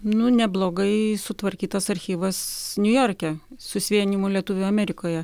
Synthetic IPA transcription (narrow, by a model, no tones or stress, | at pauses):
nʊnʲɛblˠoːɡɐɪsʊt̪ʋɐɾʲkʲiːt̪ɐsɐɾʲxʲiːʋɐsnʲʊjoːɾʲkʲɛsʊsʲʋʲiɛnʲimolʲiɛt̪ʊːʋʲʊɐmʲɛɾʲɪkoːjɛ